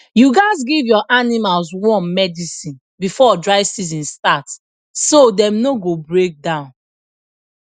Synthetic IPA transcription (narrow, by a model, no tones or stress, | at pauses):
juɡaɪzɡivjɔʔanimalswɔ̃nmɛdisĩn | bifɔdɹaɪvsizĩnstat | sodɛ̃mnoɡobɹek̚dãʊ̃n